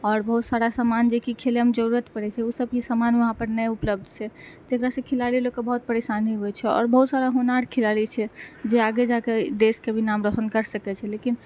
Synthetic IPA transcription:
ɔːɾbəɦut̪saɾasamand͡ʒekikʰeleəmd͡ʒəɾuɾət̪pəɾɛt͡ʃʰɛusəb̚kisamanʋəɦãpəɾnɛupləb̚d̪ʱt͡ʃʰɛd͡ʒekɾasə̃kʰilalilokːebəɦut̪̚pəɾesanɦiɦoɛt͡ʃʰɛɔ̰ːɾbəɦut̪saɾaɦonaɽkʰilalit͡ʃʰɛd͡ʒeaɡed͡ʒaked̪eskebʱinamɾəɦənkəɾsəkɛt͡ʃʰɛlekin

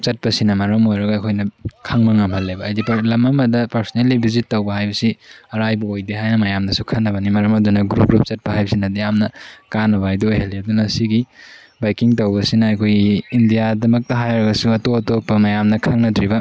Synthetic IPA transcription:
t͡ʃɐt̚pɐsinɐmɐɾɐmojɾɐɡɐːkʰojnɐkʰaŋmɐŋɐmhɐlːebɐːjdiplɐmɐmɐdɐpɐɾsonelːibizitːɐwbɐhajbɐsiɐɾajbɐojdeɦajnɐmɐjamnɐsukʰɐnːɐbɐnimɐɾɐmɐdunɐɡɾup̚ɡɾup̚t͡ʃɐt̚pɐhajbɐsinɐdijamnɐkanɐbajduojhɐlːiɐdunɐsiɡi | bajkiŋtɐwbɐsinɐɐjkʰojɡiːndijadɐmɐk̚tɐɦajɾɐɡɐsuɐtoɐtopːɐmɐjamnɐkʰaŋnɐdɾibɐ

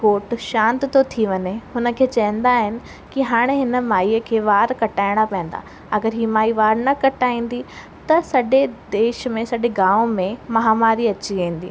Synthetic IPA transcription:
koːʈʃãːnt̪t̪ʰot̪ʰiʋɐɲeɦʊnə̆kʰeːt͡ɕɐɦə̃nd̪aɦɪnɪ̆ | kiɦaːɽ̃eɦɪnə̆maːiːəkʰeːʋaːɾkɐʈaːɪɽ̃apɐɦɪ̃n̆d̪a̰ː | ɐɡəɾɦiːmaːiʋaːɾnɐkɐʈaːĩːn̆d̪i | t̪ɐsɐɗed̪eːʃmẽsɐɗeɡãːʋõmẽmɐɦaːmaːɾiɐt͡ɕiẽːĩːn̆d̪iː

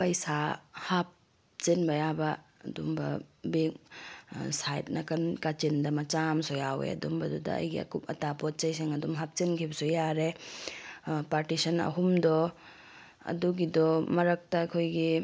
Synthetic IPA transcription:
pɐjsahap̚ | t͡ʃenbɐjabɐɐ̰dumbɐ̰bek̚ | sajt̚nɐkɐnkat͡ʃendɐmɐt͡ʃamsɔjawḛɐ̰dumbɐdudɐ̰ɐ̰jɡḭɐ̰kupɐ̰tapɔt̚t͡ʃɐjseŋɐdumɦap̚t͡ʃenkʰibɐsujaɾe | paɾtisɐnɐ̰ɦumdɔ | ɐ̰duɡidɔmɐɾɐk̚tɐːkʰojɡi

